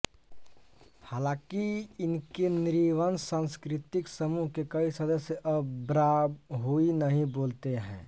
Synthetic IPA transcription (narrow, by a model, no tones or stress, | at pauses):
haːlãːkiɪnkenɪɾiʋənsãːnskɾɪt̪ɪksəmuɦkekɐisɐd̪əsjəʔəbɾaɦuinəɦĩboːlt̪eɦɛ̰̃ː